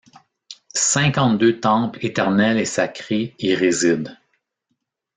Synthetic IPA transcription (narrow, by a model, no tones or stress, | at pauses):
sɛ̃kɑ̃t̪̚d̪øt̪ɑ̃plet̪ɛʁnɛlesakʲʁeeʁezid̪